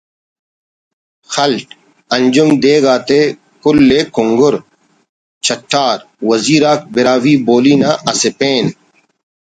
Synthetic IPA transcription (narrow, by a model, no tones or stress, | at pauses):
xɐlʈ̚ | ɐnd͡ʑʊmd̪eːɡaːt̪e | kʊlːeːkʊŋɡʊɾ | t͡ɕʰɐʈʰːaːɾ | wɐziːɾaːk̚bɪɾaːwiːboːliːnaːʔɐsɪpeːn